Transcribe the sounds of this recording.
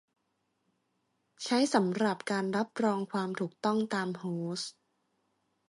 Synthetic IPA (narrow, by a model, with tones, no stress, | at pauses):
t͡ɕʰa˦˥jsa˩˦mɾa˨˩p̚kaː˧nɾa˦˥p̚ɾɔː˧ŋkʰwaː˧mt̪ʰuː˨˩k̚t̪ɔ˥˩ŋt̪aː˧mhoː˦s